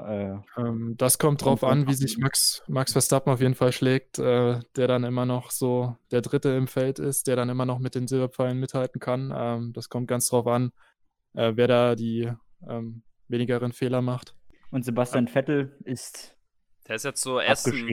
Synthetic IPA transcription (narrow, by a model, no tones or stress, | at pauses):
ʔɛːʔɛːmd̥askʰɔmt̚d̥ʁaʊfʔanviːzɪçmaksmaksfɛɐstapm̩aʊfjeːdn̩falʃlɛːk̚tʔɛːd̥eːɐɾanɪmɐnɔχz̥oːd̥eːɐdʁɪtəɪmfɛltɪst̚d̥eːɐɾanɪmɐnɔχmɪt̚d̥eːmzɪlbɐp͡faɪlənmɪthaltn̩kʰanʔɛːmd̥askʰɔmt̚ɡ̥ansd̥ʁaʊfan | ʔɛːveːɐɾaːdiːʔɛːm | veːnɪɡəʁ̞ənfeːlɐmaχtʔʊntz̥ebastjanfɛtl̩ɪst | d̥eːɐɪsjɛt͡sz̥oːʔefɡ̥əʃiː